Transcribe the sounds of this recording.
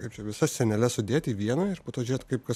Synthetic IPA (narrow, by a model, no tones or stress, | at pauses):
kɐɪpt͡ʃʲɛʋʲɪsɐsʲsʲɛnʲɛlʲɛsʊd̪ʲeːt̪ʲiːʋʲiɛnɐɪɾpoːt̪oːʒʲʊɾeːt̪kɐɪp̚kɐs